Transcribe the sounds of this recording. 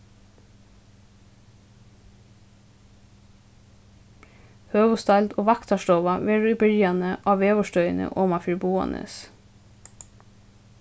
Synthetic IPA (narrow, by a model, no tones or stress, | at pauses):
høːʋʊst̪ɑld̪oːʋɑkt̪ɑʃtoːʋɑʋeːɹʉːiːbɪɹjɑnəʔɑːʋeːʋɔʃtœʏnə̰ʔoːmɑfʏɹbuːɑ̰nʔə̰s